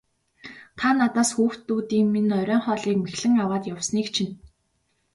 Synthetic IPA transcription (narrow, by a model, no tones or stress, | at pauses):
t̪ʰanat̪aːsxuːxt̪ːuːt̪iːŋminœɾʲœːɴχɔːɮiːkmexɮɘ̆ŋawaːt̪jawsniːkt͡ɕʰin